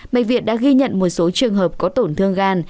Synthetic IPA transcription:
ma̰˧˨j̚vḭ˧˨ət̚ɗa̰ː˧˥ɣi˧ɲə̰˧˨nmo˨˩t̚so˨˦t͡ɕɨ˨˩əŋɦəː˨˩p̚kɔ˨˦t̪o˧˩nt̪ʰɨ˧əŋɣaː˧n

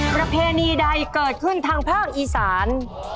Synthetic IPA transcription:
pɾa˧pʰeː˧niː˧da˧jkɤː˨˩t̪̚kʰɯ˥˩nt̪ʰaː˧ŋpʰaː˥˩k̚ʔiː˨˩saː˩˦n

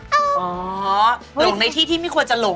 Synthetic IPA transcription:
ʔɔː˨˩˦lo˨˩˨ŋna˧jt̪ʰiː˥˩t̪ʰiː˥˩ma˥˩jkʰu˧nt͡ɕa˨lo˨˩˦

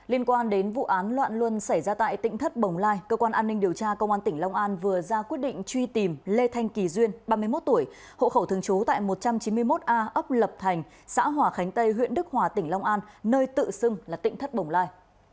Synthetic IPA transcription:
li˧ənkwaː˧nɗe˨˦nvṵ˧˨ʔaː˨˦nlwa̰ː˧˨nlwə˧nsa˧˩jzaː˧t̪a̰ː˧˨jt̪ḭ˧˨ŋ̟t̪ʰə˦˥t̚ɓə˨˩wŋ͡mlaː˧jkəː˧kwaː˧nʔaː˧nːï˧ŋ̟ɗi˨˩əwt͡ɕaː˧kə˧wŋ͡mʔaː˧nt̪ï˧˩ŋ̟lɔ˧wŋ͡mʔaː˧nvɨ˨˩əzaː˧kwi˦˥ət̚ɗḭ˧˨ŋ̟t͡ɕwi˧t̪i˨˩mle˧t̪ʰa˧jŋ̟ki˨˩zwi˧ənɓaː˧mɨ˧əmo˦˥t̚t̪u˧˩əj | ho̰˧˨xə˧˩wt̪ʰɨ˨˩əŋt͡ɕu˨˦t̪a̰ː˧˨jmo˨˩t̚t͡ɕa˧mt͡ɕi˨˦nmɨ˧əjmo˦˥t̚ʔaː˧ʔə˦˥p̚lə˨˩p̚t̪ʰa˨˩jŋ̟ | sa̰ː˧˥ɦwaː˨˩xa˨˦jŋ̟t̪ə˧jɦwḭ˧ənɗɨ˦˥k̚hwaː˨˩t̪ï˧˩ŋla˧wŋ͡mʔaː˧nːəː˧jt̪ɨ̰˧˨sɨ˧ŋlaː˨˩t̪ḭ̈˧˨ŋ̟t̪ʰə˦˥t̚ɓə˨˩wŋ͡mlaː˧j

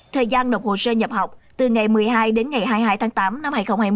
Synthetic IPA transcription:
t̪ʰəː˨˩jzaː˧nɗə˨˩w̚k͡p̚ho˨˩səː˧ɲə˨˩p̚ha˨˩wk͡p̚t̪ɨ˨˩ŋa˨˩jmɨ˨˩əjɦaː˧jɗe˨˦nŋa˨˩jɦaː˧jɦaː˧jt̪ʰaː˨˦ŋt̪aː˨˦mna˧mhaː˧jxə˧wŋ͡mhaː˧j

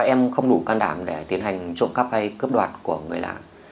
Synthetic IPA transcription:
ʔɛ˧mxə˧wŋ͡mɗu˧˩kaː˧nɗaː˧˩mɗe˧˩t̪i˨˦ənha˨˩jŋ̟t͡ɕṵ˧˨nxa˦˥p̚ha˧jkɨ˦˥p̚ɗwa̰ː˨˩t̚ku˧˩əŋɨ˨˩əjla̰ː˨˩n

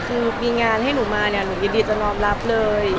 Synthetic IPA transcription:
kʰɯː˧miː˧ŋaː˧nhɦa˥˩jnuː˩˦maː˧ni˥˩ɐnuː˩˦jiː˧diː˧t͡ɕa˨˩nɔː˧mla˦˥p̚lɤː˧j

